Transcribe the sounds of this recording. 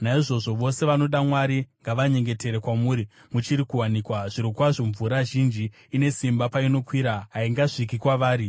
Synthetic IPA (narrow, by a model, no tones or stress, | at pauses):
naiʐo̞ʐo̞ʋo̞se̞ʋano̞ɗamwaɾiŋɡaʋaɲe̞ŋɡe̞te̞ɾe̞kwamuːɾi | mut͡ʃiɾikuwanikwaʐ̥iɾokwaʐoɱvuɾaʒind͡ʒiː | ne̞simbapaino̞kwiɾaɦaiŋɡaʂikikwaʋaːɾi